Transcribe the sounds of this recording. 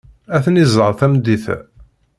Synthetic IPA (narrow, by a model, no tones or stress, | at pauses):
æθnizˤəɾˤθæmd̪ːiθæ̰